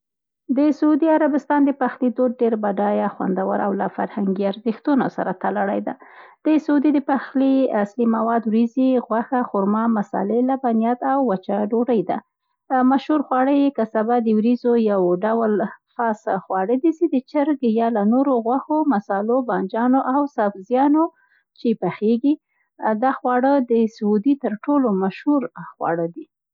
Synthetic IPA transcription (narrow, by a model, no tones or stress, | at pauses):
d̪əsaud̪iaɾabɪst̪ɑnd̪əpaxlid̪od̪̚ɖeɾbaɖɑjaxwa̰nd̪awaɾʔa̰wlafa̰ɾhaŋɡiaɾzixt̪unosa̰ɾat̪alaɽajd̪a̰d̪̥əsaud̪id̪əpaxliaslimawɑd̪wɾiziɣwaxaxʊɾmɑmasɑ̰lelabanijat̪awːat͡ʃaɖoɽəjd̪a̰ | maʃhuɾxwɑɽəjekasabad̪əwɾizojawɖawalfɑsxwɑɽəd̪isid̪ət͡ʃəɾɡjɑlanoɾoɣwaxomasɑlobɑnd͡ʒɑnoʔawsafzjɑno | t͡ʃepaxeɡi | d̪ɑxwɑɽəd̪əsud̪it̪əɾʈolomaʃhuɾxwɑ̰ɽəd̪i